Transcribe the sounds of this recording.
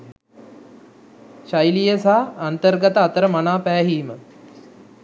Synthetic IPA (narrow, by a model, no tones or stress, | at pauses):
ʃajlijəsaːnt̪ərɡat̪əat̪əɾəmanaːpæːɦiːmə